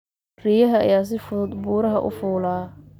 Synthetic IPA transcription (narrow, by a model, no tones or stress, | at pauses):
riːjɐɦɐ̰ːjaːs̬ɪfʊʊd̪buːɾɐɦɐ̰ʔʊ̰fuːlaː